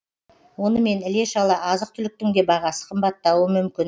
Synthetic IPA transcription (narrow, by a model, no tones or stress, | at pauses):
wo̞nəme̞nɪle̞ʃɑlˠəʔɑzəq̚t̪ʰʏlɪk̚t̪ɪŋd̪e̞bɑʁɑsə̥qʰəmbɑt̪ːɑwəmʏmkʲɪn